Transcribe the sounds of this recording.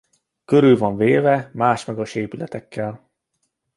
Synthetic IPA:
køɾylvɒɱveːvɛmaːʃmɛɡɒʃeːpylɛt̪ɛkːɛl

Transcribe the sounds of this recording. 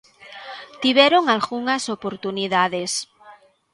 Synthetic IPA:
t̪iβjeɾoŋalɣuŋasopoɾt̪uniðaðes

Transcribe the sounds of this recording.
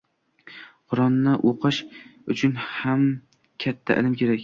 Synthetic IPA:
qʰʊɾɒnːɪʔoqʰɨʃʊt͡ʃʰʊnham | kʲʰat̪ʰːa̰ʔɪ̰lɪmkʲʰe̞ɾakʲ

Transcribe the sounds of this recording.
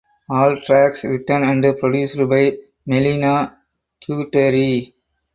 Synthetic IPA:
ɔːlʈɾæksɾɪʈənæ̃ɳɖpɾɔɖjuːsɖbaɪ | mɛlina | ʈʰjuːʈeɾi

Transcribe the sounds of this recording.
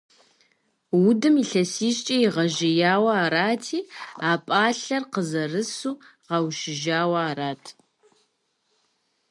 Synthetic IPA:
wʊdɨmiɬɐsiːʃt͡ʃʼɐjɪʁɐʒɪjaːwɐaːɾaːtʰiːaːpʼaːɬɐrqəzɐrɨsuː | ʁɑwʃɪʒaːwɐaːɾaːtʰ

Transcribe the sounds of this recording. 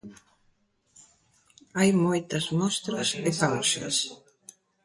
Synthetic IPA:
ajmɔjt̪asmɔst̪ɾasɛkawŋsa̰s

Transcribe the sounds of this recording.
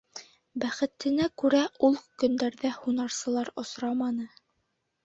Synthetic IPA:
bæχɘ̆t̪ːɘ̆nækʉɾæʔulˠkɵ̆nd̪æɾðæhunɑɾsɤ̆lˠɑɾŏsɾɑmɑnɤ

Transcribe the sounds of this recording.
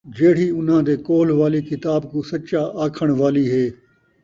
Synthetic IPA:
d͡ʒeːɽ̤iːʊn̤ãːd̪eːkoːlʋaːliːkɪt̪aːbkuːsəʃaːʔaːkʰəɳ̃ʋaːliːɦeː

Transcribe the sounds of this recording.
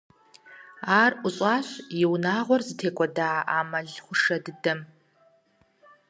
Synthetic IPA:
aːrʔʷʊɕʼaːɕjɪwnaːʁʷɔrzɨtʰeːkʷʼɔdaːaʔaːmɐɮχʷʊʂɐdɨdɐm

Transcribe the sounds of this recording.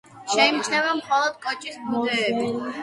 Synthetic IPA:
ʃɛimt͡ʃʰnɛvɛnmχɔlˠɔd̪̚kʼɔt͡ʃʼisbʰud̪ɛːbi

